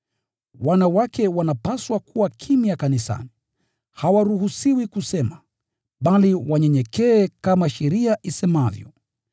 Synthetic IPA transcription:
wanawakɛwanapaswakuwakʰimijakanisa̰ni | hawaɾuhusiwikusɛma | ɓaliwaɲɛɲɛkɛːkamaʃɛɾiaʔisɛmavjɔ̰

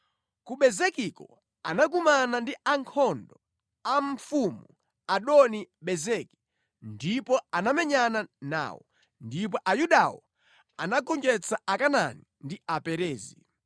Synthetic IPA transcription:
kuɓɛzɛkikɔ | anakumanandiʔaŋkʰɔndɔ | aɱfumu | aɗɔniɓɛzɛki̥ | ndipɔanamɛɲanana̰ːwɔ̰ | ndipɔʔajuɗawɔ | anaɡɔnd͡ʒɛt͡saakana̰ni | ndiapɛɾɛːzi

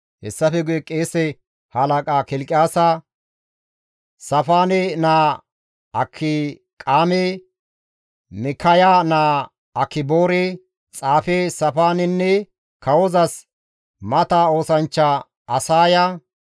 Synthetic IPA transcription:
hɛsːɐfɛɡʊjɛkʼeːsɛ | hɐlɐkʼaːkɪlkʼɪjaːsa | sɐfaːnɛnaː | ɐkʰːɪ | kʼaːme | mɪkʰːɐjaːnaː | ɐkːɪbo̞ːɾe | t͡sʼaːfesɐfaːnɪnːɛ | kʰɐwɔzɐs | mɐt̪ao̞ːsɐnt͡ʃːa | ɐsaːja

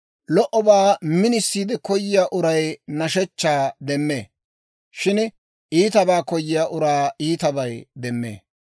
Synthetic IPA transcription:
lɔʔɔbaːmɪnɪsːiːd̪ɛkɔjːɪjaːʔʊɾɐjnɐʃɛt͡ʃːaːd̪ɛmːḛː | ʃɪn | iːt̪ɐbaːkɔjːɪjaːʔʊɾaːiːt̪ɐbɐjd̪ɛmːḛː

